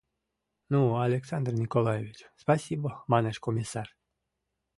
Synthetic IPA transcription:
nualʲeksand̪rnʲikolˠajevʲit͡ɕspasʲibəmɑneʃkomʲisar

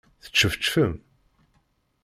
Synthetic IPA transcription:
θə̥t͡ʃːəfət͡ʃːfəm

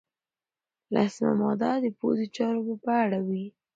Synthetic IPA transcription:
lʔa̰sma̰mɑd̪ɑd̪əpo̰zit͡ʃɑɾobapəaɽawi

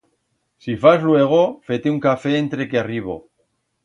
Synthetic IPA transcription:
sifazlwe̞ɣ̞ofe̞t̪euŋkafe̞ːnt̪ɾe̞keariβo̰

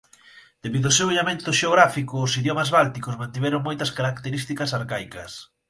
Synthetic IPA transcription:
d̪̥eβiðʊseweʎamẽnt̪ʊʃeoɣ̞ɾafikʊːsiðjɔmɐzβalt̪ikosmãnt̪iβɛɾʊŋmojt̪ɐskaɾakt̪eɾist̪ikɐsaɾkajkɐs

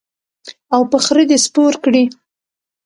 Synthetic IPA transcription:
awpəxɾəd̪espoɾkɽi

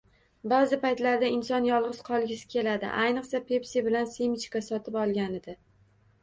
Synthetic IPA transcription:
bazɪpajt̪laɾd̪aɪnsɒnjɒlˠʁɨz̥qʰɒlˠɡʲɪsɪ̥kʲʰe̞lad̪ɪ̰ʔajnɨqsapʰe̞psibɪlansemɪt͡ʃkasɒt̪ʰɪpɒlˠɡʲanɪd̪ɪ

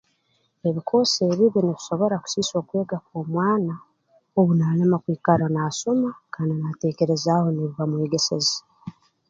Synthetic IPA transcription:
e̞βikʰo̞ːseːβiβiniβi̥so̞βo̞ɾaku̥siso̞ːkwe̞ːɡakoːmwaːna | oβunaːlemakwiːkalanaːsomakananate̞ːke̞ɾe̞zaho̞neβuβamweːɡe̞se̞ze

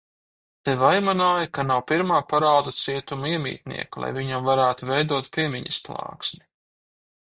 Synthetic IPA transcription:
t̪evajmanaːjakanawpiɾmaːpaɾaːd̪ut̪siɛt̪umuiɛmʲḭːt̪̚nḭɛkulˠa̰jviɲamvaɾæːt̪uvɛjd̪uɔt̪pʲiɛmʲiɲɐsplˠɑ̰ːksʲmʲu

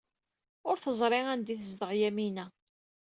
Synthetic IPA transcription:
ʊɾθəzˤɾˤeʁænd̪iθəzd̪əʁjæminæ

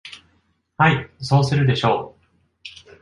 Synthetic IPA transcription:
haiso̞ːsɨɾɯ̟d̪e̞ɕo̞ː

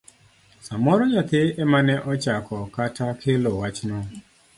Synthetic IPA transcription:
samɔɾɔɲat̪eɛmanɛʔɔt͡ʃakɔkatakʰelowat͡ʃnɔ

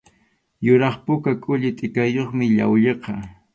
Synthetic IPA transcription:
jʊɾɑχpʊkakʼʊʎɪt̪ʼɪkajoχmɪʎa̰wʎeqɑ

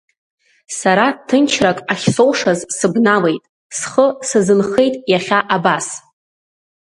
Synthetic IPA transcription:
saɾatʰɨnt͡ʃʰrakʼaχʲsowʂazsɨbnale̞jtʼ | sχəsɨzɨnχe̞jtʼjaχʲaʔabas

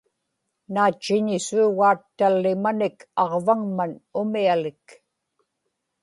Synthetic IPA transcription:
naːt͡ʃːɪɲɪsuːɣaːt̪ːalːɪmanɪkɑʁvaŋmanʊmialɪk

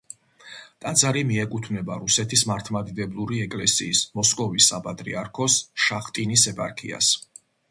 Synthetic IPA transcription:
t̪ʼad̪zaɾimiɛkʼut̪ʰvnɛbaɾusɛt̪ʰismaɾt̪ʰmad̪id̪ɛblˠuɾiɛkʼlɛsḭːsmɔskʼɔvisːapʼat̪ʼɾḭaɾkʰɔsʃaχt̪ʼinisɛpʼaɾkʰḭa̰s

